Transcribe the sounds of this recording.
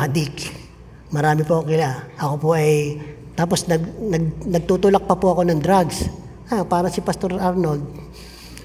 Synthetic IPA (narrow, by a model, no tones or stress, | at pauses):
ɐd̪ɪk | mɐɾaːmɪpokɪlaʔɐko̞poʔɐj | t̪aːp̬osnɐɡnɐɡ̚nɐɡ̚t̪ut̪ulɐk̚pɐpʊɐko̞nɐŋd̪ɾaɡs | ʔapaːɾɐsɪpɐst̪o̞ɾaɾnoɡ̚